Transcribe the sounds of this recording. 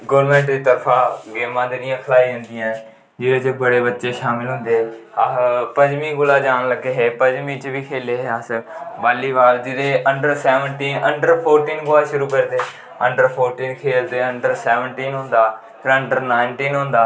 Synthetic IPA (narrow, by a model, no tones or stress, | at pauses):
ɡolmɛ̃ːɳʈd̪iːt̪əɾpʰaːɡeːmãːd̪eːnɪjãkʰəlaːiːə̃nd̪iːɛ̃ː | d͡ʒɪd̪eːt͡ʃəbəɽeːbətːʃeːʃaːmɪlɦʊ̃nd̪eː | pəd͡ʒmiːɡʊlaːd͡ʒaːnləɡeːɦɛːpəd͡ʒmĩːt͡ʃʋiːkʰeːleːɦɛːəsbaːliːbaːld͡ʒɪd̪eːʔəɳɖəɾsɛːʋəɳʈiːnəɳɖəɾpʰoːɾʈiːnɡʊlaːʃʊɾuːkəɾd̪eː | əɳɖəɾpʰoːɾʈiːnkʰeːlt̪eːəɳɖəɾsɛːʋəɳʈiːnɦʊ̃nd̪aː | pʰɪɾəɳɖəɾnaːɪɳʈiːnɦʊ̃nd̪aː